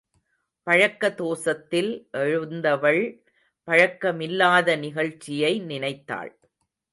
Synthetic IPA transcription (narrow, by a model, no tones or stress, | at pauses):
pɐɻɐkːɐt̪oːsɐt̪ːɪlʔɛɻɯnd̪ɐʋɐɭ | pɐɻɐkːɐmɪlːaːðɐnɪɣɐɻt͡ʃːɪjɐɪnɪnɐɪt̪ːa̰ːɭ